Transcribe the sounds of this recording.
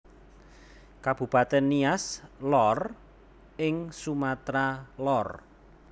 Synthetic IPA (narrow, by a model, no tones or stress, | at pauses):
kab̥ṳpat̪ɛnːiaslɔr | ɪŋsumat̪ɾalɔr